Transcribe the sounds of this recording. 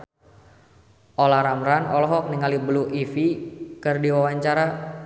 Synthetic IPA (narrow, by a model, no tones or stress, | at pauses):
ʔolaɾamɾanɔlɔɦɔk̚niŋalibəluifikɨrdiwawaɲt͡ʃaɾa